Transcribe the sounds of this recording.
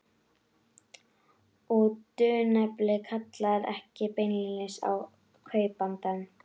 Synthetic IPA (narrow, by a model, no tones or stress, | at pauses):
ut̪ʏːnɛplɪkʰat̪laɾɛ̰hcɪpejnlɪɪsa̰w | kʰœːɥpant̪an